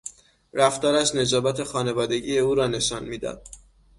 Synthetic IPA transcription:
ɾæft̪ɒːɾæʃne̞zɒːbæt̪ʰe̞xɒːne̞vɒːd̪e̞ɟije̞uːɾɒːne̞ʃɒnmiːd̪ɒ̰d̪̥

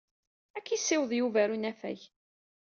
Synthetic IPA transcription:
ækːisːɪwəðˤjuvæɾunæfæ̰ç

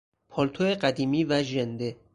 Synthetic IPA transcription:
pʰɒlt̪ʰoeɢæd̪iːmiːvæʒend̪e

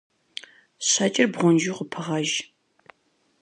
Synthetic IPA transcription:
ɕaːt͡ʃʼɪrbʁʷɔnd͡ʒiːqʊpʰɨʁɐʒ

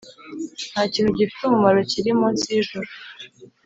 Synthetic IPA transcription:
n̥haːciːnhuɟifi̥t̪umumaɾociɾimonziʒuɾu

